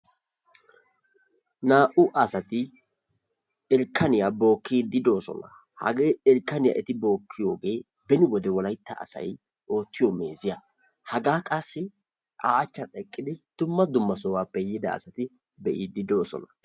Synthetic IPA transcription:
naːʔʊʔɐsɐt̪ɪ | ɛlkʰːɐnɪjaːbo̞ːkːiːd̪ɪd̪o̞ːsɔ̰nɐ | hɐ̰ɡeːɛlkːɐnɪja̰ːʔɛt̪ɪbo̞ːkʰːɪjo̞ːɡe̞ː | bɛnɪwɔd̪ɛwɔlɐjt̪ːɐ̰ːsɐ̰j | o̞ːt̪ːɪjome̞̰ːzɪja | hɐɡaːkʼɐsːɪ | ʔaːt͡ʃːɐt̪ʼɛkʼːɪd̪ɪd̪̥ʊmːɐd̪ʊmːɐsɔwaːpːɛjɪd̪ɐ̰ːsɐt̪ɪ | bɛʔiːd̪ɪd̪o̞ːsɔ̰nɐ

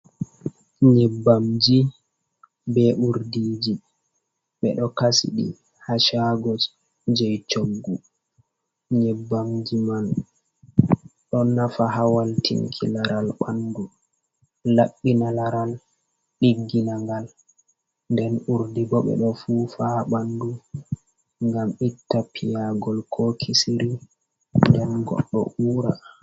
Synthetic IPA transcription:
ɲɛbːamd͡ʒi | bɛʔuɾdiːd͡ʒi | ɓɛ̰ɗɔkasḭɗḭ | haʃaɡɔ | d͡ʒɛjt͡ʃoɡɡu | ɲɛbːamd͡ʒiman | ɗɔnafaɦawaltʰḭŋkʰḭlaɾalɓandu | laɗːinalaɾal | ɗiɡːinaŋɡal | ndɛnuɾdibɔɓɛ̰ɗɔfufaɓandu | ŋɡamitːapʰijaɡɔlkʰɔkʰisiɾi | ndɛnɡɔ̰ɗːɔ̰ʔuːɾa

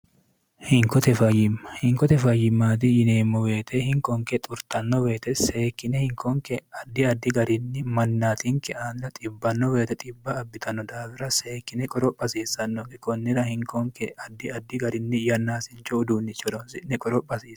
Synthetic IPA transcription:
hɪŋkɔt̪ɛfɐjːɪmːɐhɪŋkɔt̪ɛfɐjɪmːaːt̪̬ɪjɪneːmːɔwe̞ːt̪ʰɛhɪŋkɔŋkɛt̪ʼʊɾt̪ɐnːɔwe̞ːt̪ɛseːkːɪnɛhɪŋkʰɔŋkɛɐd̪ːɪɐd̪ːɪɡɐɾɪnːɪmɐnːaːt̪ɪŋkːɛʔaːnd̪ɐt̪ʼɪbːɐnːɔwe̞ːt̪ɛt̪ʼɪbːɐːbːɪt̪ʰɐnːɔd̪aːfɪɾɐseːkːɪnɛkʼɔɾɔpʼːɐsiːsːɐnːɔkɛkɔnːɪɾɐhɪŋkʰɔŋkːɛɐd̪ːɪɐd̪ːɪɡɐɾɪnːɪjɐnːaːsɪnt͡ʃːɔʊd̪uːnːɪt͡ʃːɔd̪ɔnsɪnːɛkʼɔɾɔpʼːɐsiːs

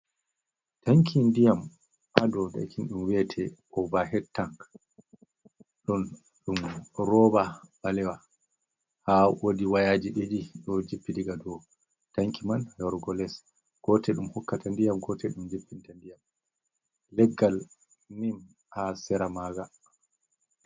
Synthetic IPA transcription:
taŋkʰindijam | ʔadɔda̰kʰinɗumwɛtʰɛɔvaɦɛtːaŋ | ɗɔn | ɗumɾɔbabalɛwa | hawodiwajaːd͡ʒiɗid͡ʒiɗɔd͡ʒipːidiɡadɔ | taŋkʰimanjɔɾɡɔlɛs | ɡ̥ɔtɛɗumhɔkːatandijamɡɔtʰɛɗumd͡ʒipːintandijam | lɛɡːal | nim | hasɛɾamaɡa

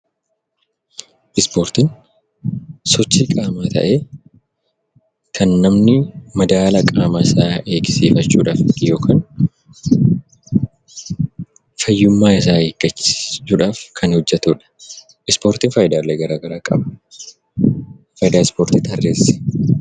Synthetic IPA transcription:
ʔɪspoːɾt̪ɪn | sɔt͡ʃːikʼaːmaːt̪ɐ̰ʔeː | kʰɐnːɐmnɪmɐd̪aːlɐkʼaːmaːɪsaːe̞ːɡɪ̥siːfɐt͡ʃːuːᶑaːfjo̞ːkʰaːn | fɐjːʊmːaːɪs̬aːheːɡ̥ɐt͡ʃːɪ̥uːᶑaːfkʰɐnhɔd͡ʒːɛt̪uːᶑɐ̥ | ʔɪspo̞ːɾt̪ɪnfɐjd̪aːlːɛɡɐɾaːɡɐɾaːkʼɐbɐ̥ | fɐjd̪aːɪspoːɾt̪it̪ɐrːeːsɛ̥

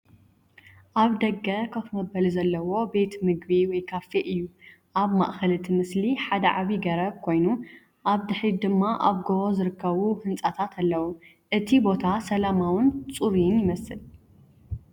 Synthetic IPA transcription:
ʔaβd̪ɐɡːɐkʰɐfmɐbɐlizɐlːɐwo̞be̞t̪mɨɡbiwɔjkʰafeʔɨjːu | ʔaβma̰ʔxɐlɨt̪ʰimɨsliħad̪ɐʕaβiɡɐɾɐβkʰo̞jnu | ʔaβd̪ɨħɾid̪ɨmːaʔaβɡoβozɨɾɨkːɐβuhɨnt͡sʼat̪ʰat̪ʰalːɐwu | ʔɨt̪ʰibo̞t̪ʰasɐlamawɨnt͡sʼuɾinjɪmɐsɨl

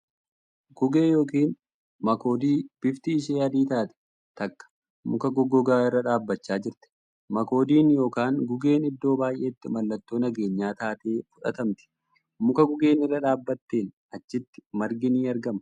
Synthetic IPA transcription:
ɡʊɡeːjo̞ːkiːn | mɐko̞ːd̪iːb̥ɪft̪ɪːʃ̬ejad̪iːt̪aːt̪ɛ̥ | t̪ɐkːɐ̥ | mʊkɐɡɔɡɔɡaːɪrːɐᶑaːbːɐt͡ʃːaːd͡ʒɪɾt̪ɛ̥ | mɐko̞ːd̪iːnjo̞ːkaːŋɡʊɡe̞ːnɪd̪ːo̞ːbaːjʔe̞ːt̪ːɪmɐlːɐt̪ːo̞ːnɐɡe̞ːɲːaːt̪aːt̪e̞ːfʊᶑɐ̰t̪ɐmt̪ɪ̥ | mʊkɐɡʊɡe̞ːnɪrːɐᶑaːbːɐt̪ːeːn | ɐt͡ʃːɪt̪ːɪ̥mɐɾɡɪniːɐɾɡɐmɐ

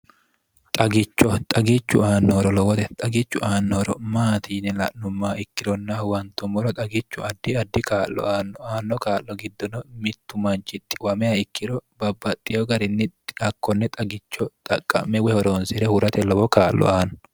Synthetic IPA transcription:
t̪ʼɐɡɪt͡ʃːɔt̪ʼɐɡɪt͡ʃːʊ̰aːnːɔɾɔlɔwɔt̪ɛt̪ʼɐɡɪt͡ʃːʊʔaːnːɔɾɔmaːt̪ʰiːnɛlɐ̰ʔnʊmːaːɪkːɪɾɔnːɐwɐnt̪ːʊmːɔɾɔt̪ʼɐɡɪt͡ʃːʊɐd̪ːɪɐd̪ːɪkaːlːɔ̰aːnːɔaːnːɔkaːlːɔɡɪd̪ːɔnɔmɪt̪ːʊmɐnt͡ʃɪt̪ːɪ̥wɐmɛɐɪkːɪɾɔbɐbːɐt̪ʼːɪjɔɡɐɾɪnːɪɐkːɔnːɛt̪ʼɐɡɪt͡ʃːɔt̪ʼɐkʼːɐ̰mːɛwɛhɔɾoːnsɪɾɛhʊɾɐt̪ɛlɔwɔkaːlːɔ̰aːn

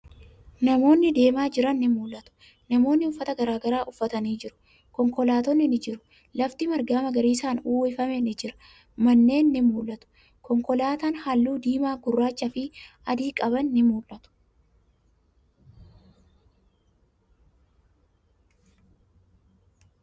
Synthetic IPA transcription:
nɐmo̞ːnːɪd̪e̞ːmaːd͡ʒɪɾɐnːɪmuːlʔɐt̪ʊ̥ | nɐmo̞ːnːɪʊfːɐt̪ɐɡɐɾaːɡɐɾaːʔʊfːɐt̪ɐniːd͡ʒɪɾʊ̥ | kɔŋkɔlaːt̪ɔnːɪnɪd͡ʒɪɾʊ̥ | lɐft̪ɪmɐɾɡaːmɐɡɐɾiːsaːnuːɪfɐmɛnɪd͡ʒɪɾɐ̥ | mɐnːe̞ːnːɪmuːlʔɐt̪ʊ̥ | kɔŋkɔlaːt̪anhalːuːd̪iːmaːɡʊrːaːt͡ʃːɐfɪ | ɐd̪iːkʼɐbɐnːɪmuːlʔɐt̪ʊ̥

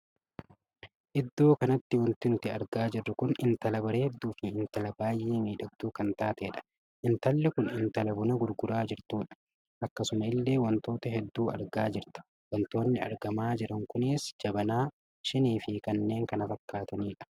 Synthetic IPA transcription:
ʔɪd̪ːuːkɐnɐt̪ːɪwɐnt̪ɪnʊt̪ɪɐɾɡaːd͡ʒɪrːʊkʊnɪnt̪ɐlɐbɐɾeːhɛd̪ːuːfɪɪnt̪ɐlɐbaːjʔːeːmiːᶑɐd̪ːuːkɐnt̪aːt̪eːᶑɐ̥ | ʔɪnt̪ɐlːɛkʊnɪnt̪ɐlɐbʊnɐɡʊɾɡʊɾaːd͡ʒɪɾt̪uːᶑɐ̥ | ʔɐkːɐsʊmɐɪlːe̞ːwɐnt̪o̞ːt̪ɐɦɛd̪ːuːɐ̰ɾɡaːd͡ʒɪɾt̪ɐ̥ | wɐnt̪o̞ːnːɪɐ̰ɾɡɐmaːd͡ʒɪɾɐŋkʊnɪsd͡ʒɐbɐnaː | ʃɪniːfɪkɐnːe̞ːŋkɐnɐfɐkːaːt̪ɐniːᶑɐ̥

